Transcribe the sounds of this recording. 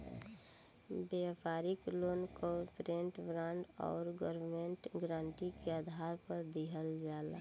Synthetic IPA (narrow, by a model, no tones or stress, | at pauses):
bepaːɾɪkloːnkopɾeɳʈbɾãːɳɖɔ̰ːɾɡəɾmẽɳʈɡɾãːɳʈikead̪ʱaːɾpəɾd̪iɦəld͡ʒaːla̰